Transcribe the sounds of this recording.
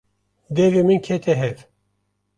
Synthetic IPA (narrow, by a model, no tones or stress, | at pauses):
d̪ɛvemɨnkʰet̪ʰɛɦɛv